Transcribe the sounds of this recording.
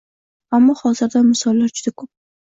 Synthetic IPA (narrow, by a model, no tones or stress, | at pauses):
amːɒhɒzɪɾd̪amɪsɒlˠːaɾd͡ʒʊd̪akʰop̚